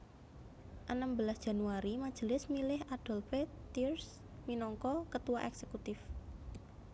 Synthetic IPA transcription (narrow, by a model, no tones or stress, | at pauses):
ʔənəmbəlasdʒ̥a̤nuaɾimad̥ʒ̥əlɪsmilɪɦad̥ɔ̤lfet̪irs | minɔŋkɔkət̪uwaʔɛksekut̪ɪf